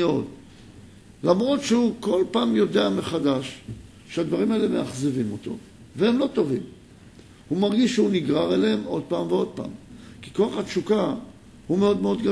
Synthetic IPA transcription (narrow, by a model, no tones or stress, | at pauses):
ot | lamʁo̞tʃehuko̞lpaːmjo̞de̞ame̞χadaʃ | ʃead̪vaʁimaelemeaχzevimo̞t̪o̞̰ | vehemlo̞t̪o̞vim | humaʁɡiʃːhuniɡʁaʁelehemo̞d̪̚paːmveo̞d̪̚pa̰ːmki̥koaχhatʃuka | hume̞o̞d̪me̞o̞d̪ɡa